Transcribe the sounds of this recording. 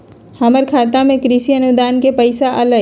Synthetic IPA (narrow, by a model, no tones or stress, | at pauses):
həməɾkʰaːt̪amẽkɾɪsiənud̪aːnkepəɪsaʔələ